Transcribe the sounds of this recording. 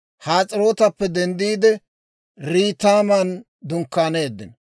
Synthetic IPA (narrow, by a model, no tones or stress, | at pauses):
haːt͡sʼɪɾo̞ːt̪ɐpːɛd̪ɛnd̪iːd̪ɛ | ɾiːt̪aːmɐn | d̪ʊŋkːaːne̞ːd̪ːɪ̰n